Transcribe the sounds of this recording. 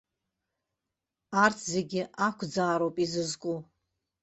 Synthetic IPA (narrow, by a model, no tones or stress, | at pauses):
artʰze̞ɡʲɪʔakʷʰd͡zaːɾowpʼizɨzkʼu